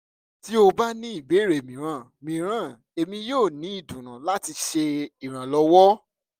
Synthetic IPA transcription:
ti˦o˧ba˦nĩ˦i˦˨be˨˦˨ɾe˨mĩ˨ɾ̃ã˨˦˨mĩ˨ɾ̃ã˦˨ | e˨mĩ˧joː˦˨nĩ˨˦i˦˨dũ˨ñã˨la˦ti˧ʃe˧i˨ɾ̃ã˨lɔ˧wɔ˦

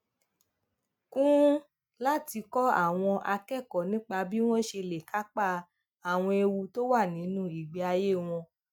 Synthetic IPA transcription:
kũ˦ | la˦ti˧kɔ˦a̰˦˨w̃ɔ̃˧ʔa˧kɛ˦˨kɔ˨nĩ˨˦k͡pa˧bi˦w̃ɔ̃˦ʃe˧le˨ka˨˦k͡pa˦˨ | a˨w̃ɔ̃˧e˧wu˧to˦wa˦˨nĩ˨˦nũ˦i˨ɡ͡bi˨a˧je˦˨w̃ɔ̃˧

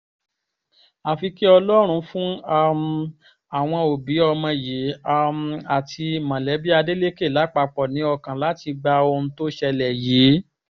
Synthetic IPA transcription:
a˨fi˧ki˦ɔ˧lɔ˦ɾ̃ũ˧fũ˦a˦m | a˨w̃ɔ̃˧o˨bi˨˦ɔ˧mã˧je˨˦a˦˧m˨a˨tʰi˧˨mã˨lɛ˨˦bi˦a˧de˦le˦ke˦˨la˨˦k͡pa˧k͡pɔ˨nĩ˨˦ɔ˧kã˨la˨˦ti˧ɡ͡ba˧o˧ũ˧to˦ʃɛ˧lɛ˨ji˨˦

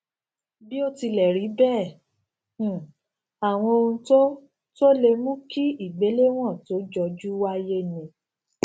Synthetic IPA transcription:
bi˦o˦ti˧lɛ˨ɾi˨˦bɛ˦˨ | a˨w̃ɔ̃˧o˧ũ˧to˦ | to˦le˧mũ˦ki˦i˦˨ɡ͡be˨˦le˦w̃ɔ̃˦˨to˨˦d͡ʒɔ˧d͡ʒu˦wa˦je˦nĩ˨

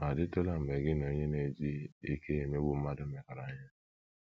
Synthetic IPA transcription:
a˨dɪ˦to˦la˦m̩˨me˨ɡɪ˦no˨ɲe˦ne˨d͡ʒi˦i˦kʰe˦e˨me˦bʊ˨m̩˦ma˦dʊ˦me˨ka˨ɾa˨˦ɲa˦

